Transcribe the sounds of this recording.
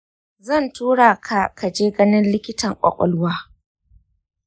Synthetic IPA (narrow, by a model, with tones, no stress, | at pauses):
zɐ˦˨ntuː˦ɽaː˨kʰa˨ka˨d͡ʒeː˦ɡɐ˦nɪ˦nlɪ˦kʲɪ˦tɐ˨ŋkʷʼɔ̰˨kʷʼɔ̰˦lʊ˦waː˦